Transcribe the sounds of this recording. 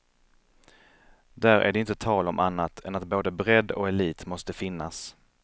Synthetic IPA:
d̪æɾʔæ̰ɖɛɪnt̪ət̪ʰɑːlɔmʔanːat̪ʰɛnat̪boːd̪əbɾɛd̪ːɔ̰kɛliːt̪mɔst̪əfɪnːas

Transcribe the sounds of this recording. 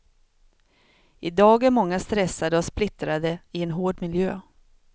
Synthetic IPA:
ʔɪd̪ɑːɡæɾmɔŋːast̪ɾɛsːad̪əɔsplɪt̪ɾad̪əɪɛnɦoːɖmɪljøː

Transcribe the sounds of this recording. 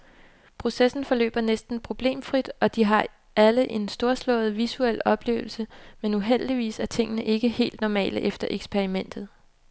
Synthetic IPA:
pʰʁo̝sesn̩fɒ̽lø̰ːb̥ɐnesd̥n̩pʰʁo̝b̥le̝̰ːmfʁid̥ɒ̽d̥iɦɑ̈ | æləʔe̝nsd̥o̝ɐslɔ̰̽ːð̩ˠʋisuel̰ɒ̽b̥le̝̰ːʊl̩səmenuɦel̰d̥iʋḭːsæɐt͡sʰe̝ŋ̰ənəʔe̝ɡ̥əhe̝̰ːld̥nɒmɛ̰ːləʔefd̥ɐʔeɡ̥sb̥ʰeʁimen̰d̥ð̞̩ˠ

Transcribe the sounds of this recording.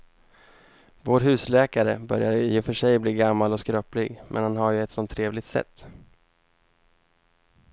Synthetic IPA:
voːɾɦʉ̟ːslɛːkaɾə̰bœɾjajɪfœʂɛjbliːɡamːalɔskɾøːplɪɡmʔɛ̰nhanɦaɾjɵɛt̪sɔnt̪ʰːɾeːvlɪɡ̚t̪sɛ̰t̪ː

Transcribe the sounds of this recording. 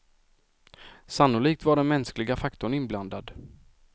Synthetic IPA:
sanːʊliːk̚t̪vaɖɛnmɛnsklɪɡafakt̪ʊɳɪnbland̪ad̪

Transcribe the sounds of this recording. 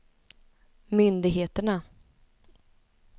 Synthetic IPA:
mʏnd̪ɪɡɦeːt̪əɳa

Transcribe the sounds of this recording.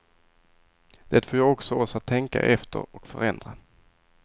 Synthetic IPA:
d̪̥ɛt̪foːjɑːɡɔksɔɔsat̪ʰːɛŋka̰ʔɛft̪ʰə̰ɾɔkfœɾɛnd̪ɾa

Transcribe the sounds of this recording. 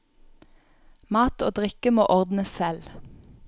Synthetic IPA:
mɑːt̪oːd̪ʁɪkəmo̰ːʔɔʁd̪nəsɛl

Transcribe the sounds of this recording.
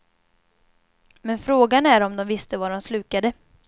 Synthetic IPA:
mɛnfɾoːɡanæɾɔmd̪ɔmvɪst̪əvaɖɔmslʉ̟ːkad̪ə

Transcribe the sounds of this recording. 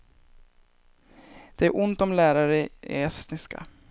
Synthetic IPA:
d̪̥ɛæɾʔʊnt̪ɔmlæːɾaɾəeːst̪nɪska̰

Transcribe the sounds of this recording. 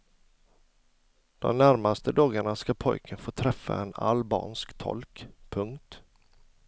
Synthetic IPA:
d̪̥ɔ̰mnæɾmast̪əd̪ɑːɡaɳaskapʰɔ̰jkʰənfoːt̪ʰɾɛfːa̰ɛna̰lbɑ̰ːnskt̪ʰɔ̰lkpʰɵŋkt̪

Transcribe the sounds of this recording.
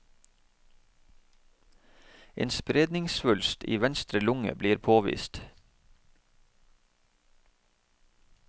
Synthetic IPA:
ḛːnspɾeːd̪nɪŋsfʉlst̪ḭːʋɛnst̪ɾəlʊŋə̰bliːɾpʰoːʋḭːst̪

